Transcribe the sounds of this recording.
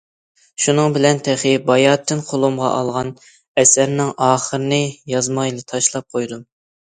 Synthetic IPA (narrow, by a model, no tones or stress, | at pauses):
ʃunɨŋbɪlɛnt̪ʰɛχɪbɑjɑt̪ʰːɪnqʰolˠomʁɑ̰ʔɑlˠʁɑn | ɛsæɾnɪŋɑːχəɾɨnɨjɑzmɑjlˠɨt̪ʰɑʃlˠɑp̚qʰojd̪um